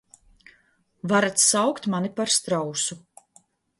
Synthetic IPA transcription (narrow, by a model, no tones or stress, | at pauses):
vaɾat̪ssawkt̪manipaɾst̪ɾawsu